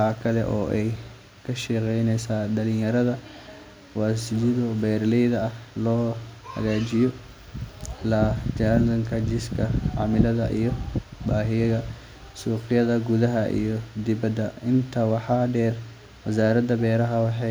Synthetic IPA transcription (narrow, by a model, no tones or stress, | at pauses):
aːkʰɐlɛ̰ʔɔːʔɛj | kʰɐʃɛːqɛjnɛjsaːɖɐlɪ̃jɐɾɐðɐ | waːsɪd͡ʒɪðɔbɛːrlɛjðɐɐhlɔːhɐ̰ɣaːt͡ʃɪjɔ | ɪlaːd͡ʒaːɾdɐŋkʰɐd͡ʒɪskʰɐʕɑ̰ːmɪlɐðɐʔijɔbaːɦɪjɐɣɐ | suːqɪjɐðɐɡuðɐɦɐʔḭjɔd̪ɪbɐd̪ɐɪnt̪ʰɐwɑħɑːɖɛːr | wɐsaːɾɐd̪ɐbɛːɾɐɦɐwɑħɑ